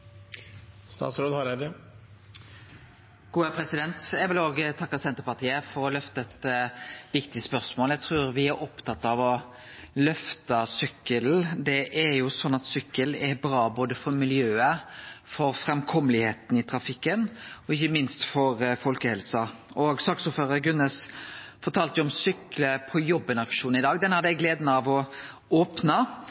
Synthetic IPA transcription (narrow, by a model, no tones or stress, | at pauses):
st̪ɑ̰ːt̪sɾoːd̪hɑɾæd̪ə | ɡ̥uːəpʰɾɛsɪd̪ɛnt̪jæʋɪloːɡət̪ʰɑkːəsɛnt̪əɾpɑt̪ʰiːəfɔɾɔlœft̪əɛt̪ʋɪkt̪ɪspœɾsmoːlæɡt̪ʰɾʉːɾʋɪæɾʔɔpt̪ʰɑt̪ːɑʋɔ | lœft̪əsʏkːəl̩d̪ɛʔæɾjʊsɔnːɑt̪sʏkːəlɛɾbɾɑːboːd̪əfɔɾmɪljøːəfɔɾfɾɛmkʰɔməlɪheːt̪n̩ɪt̪ʰɾɑfɪkːənɔɪçːəmɪnst̪fɔɾfɔlkəhɛlsɑʔɔɡsɑksoːføːɾəɾɡʉnːɛsfɔʈʰɑːlt̪əjʊɔmsʏkləpʰɔjɔbːənɑkʂuːnɪd̪ɑːɡd̪ɛnhɑd̪æɡleːd̪nəɑʋɔ | oːpnə